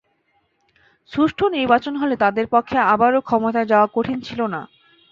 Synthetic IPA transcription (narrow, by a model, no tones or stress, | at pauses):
ʃuʃʈʰoniɾbat͡ɕonɦolet̪ad̪eɾpokʰːeabaɾokʰɔmot̪aed͡ʑaoakoʈʰint͡ɕʰilona̰